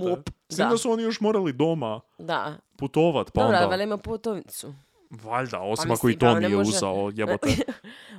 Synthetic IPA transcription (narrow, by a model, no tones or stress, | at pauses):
musimd̪asuo̞nijo̞ʃmo̞ɾalid̪o̞mad̪aput̪oʋat̪paod̪aalemaput̪oʋt̪su | ʋaʎd̪a̰o̞simakoit̪onijeuzaojebot̪e